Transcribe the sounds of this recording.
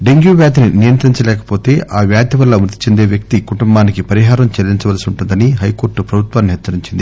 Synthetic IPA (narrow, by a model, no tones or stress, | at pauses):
ɖeŋɡjuːʋjaːd̪ininijɐnt̪ɐɾiɲt͡ʃɐlɛːkɐ̥po̞ːt̪e̞ːʔaːʋjaːd̪jɐʋɐlːɐmɾut̪ːi̥t͡ʃend̪eːʋjɐk̚t̪ikuʈumbaːnikipɐɾiɦaːɾɐmt͡ʃɐɾiɲt͡ʃɐʋɐlɐsiuɳʈund̪ɐniɦɐjko̞ːɾʈːupɾɐbʱut̪ʋaːnːiɦɛːt̪ːsɐɾiɲt͡ʃind̪i